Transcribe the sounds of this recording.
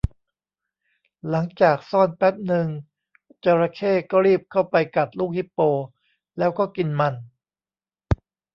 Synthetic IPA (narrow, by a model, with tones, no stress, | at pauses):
la˩˦ŋt͡ɕaː˨˩k̚sɔː˥˩npɛ˦˥t̪̚nɯ˧ŋ | t͡ɕaː˧ɾa˧kʰeː˥˩kɔː˥˩ɾiː˥˩p̚kʰa˥˩wpa˧jka˨˩t̪̚luː˥˩k̚hi˦˥pːoː˧ | lɛː˦˥wkɔː˥˩ki˧nma˧n